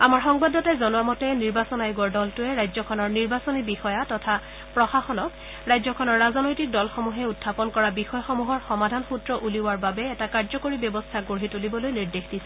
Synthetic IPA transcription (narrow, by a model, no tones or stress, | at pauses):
amaɹxɔŋbadːɔtajzɔnʊamɔtɛniɹbasɔnajɡɔɹdɔltʊɛɹajzɔkʰɔnɔɹniɹbasɔnibixɔjatɔtʰa | pɹɔxaxɔnɔk | ɹajzɔkʰɔnɔɹːazɔnojtik̚dɔlxɔmuɦɛutʰːapɔnkɔɹabixɔjɔxɔmuɦɔɹxɔmadʱanxutɹɔʔuliwaɹbabɛːtakaɹzɔkoɹibjɔbɔstʰaɡoɦitulibɔlojniɹdexdisɛ